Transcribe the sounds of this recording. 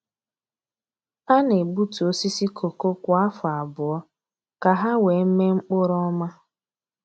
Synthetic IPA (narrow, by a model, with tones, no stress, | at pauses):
a˦ne˨bu˦tu˨o˦si˦si˦kʰo˨ko˦kʷʊ˨a˦fʊ˨a˨bʊ˨ɔ˦ | ka˨ɦa˦we˨˦m̩˦me˦ŋ͡m̩˦k͡pʊ˦ɾɔ˦ma˦